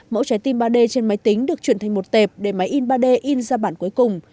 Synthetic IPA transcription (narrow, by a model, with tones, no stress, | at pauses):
mo̰˧˥t͡ɕa˨˦jt̪i˧nɓaː˧ɗe˧t͡ɕe˧nma˨˦jt̪ï˨˦ŋ̟ɗɨ˨˩ək̚t͡ɕwi˧˩nt̪ʰa˨˩ŋ̟mo˨˩t̚t̪e˨˩p̚ɗe˧˩ma˨˦jʔi˧nɓaː˧ɗe˧ʔi˧nzaː˧ɓaː˧˩nku˨˦əjkʊ˨˩ŋ͡m